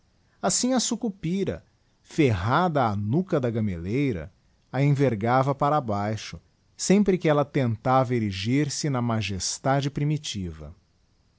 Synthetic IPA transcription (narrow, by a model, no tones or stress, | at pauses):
asĩɐsukupiɾɐ̰ | feɦad̪ɐːnukɐd̪ɐɡɐmelejɾɐ̰ | ɐẽveɾɡavɐpaɾabajʃʊ̥ | sẽpɾɪkɪɛlɐt̪ẽnt̪avɐeɾiʒiɾsɪnɐmaʒest̪ad͡ʒɪpɾimit͡ʃivɐ̰